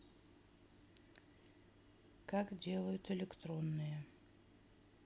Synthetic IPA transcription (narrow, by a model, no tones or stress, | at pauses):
kakdʲe̞lˠəjʊt̪ɪlʲɪkt̪ro̞nːɨjə